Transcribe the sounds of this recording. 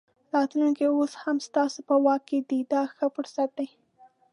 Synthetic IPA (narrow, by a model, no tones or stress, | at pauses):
ɾɑt̪luŋkeoshamst̪ɑsopəwɑkːed̪id̪ɑxəfʊɾsat̪̚d̪aj